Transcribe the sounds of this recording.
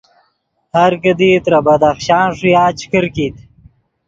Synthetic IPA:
haɾkəd̪iːt̪ɾabɐd̪axɕɑːnʂujaːt͡ʃʰkəɾkit̪

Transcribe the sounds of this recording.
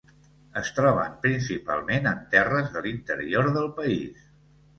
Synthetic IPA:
əst̪ɾɔβə̰mpɾinsipa̰lˠmenənt̪ɛrəzðəlint̪ə̰ɾḭoɾðəlˠpəis

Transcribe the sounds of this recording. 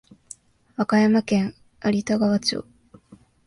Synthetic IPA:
βakajamakẽ̞ŋ | aɾʲit̪aɡaβat͡ɕɨ̰ː

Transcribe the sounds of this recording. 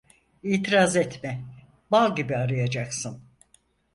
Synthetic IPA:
iːt̪ʰiɾazɛt̪mɛ | balˠɟibiaɾɯjad͡ʒaksɯn

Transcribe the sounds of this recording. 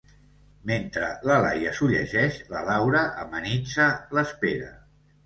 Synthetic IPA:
ment̪ɾələla̰jəsuʎə̰ʒɛʃləlawɾəʔəmənit͡sələspeɾə

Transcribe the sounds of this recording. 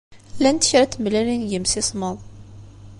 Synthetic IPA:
lænt̪ə̥çɾæt̪ːmlælinjəmsisˤməðˤ

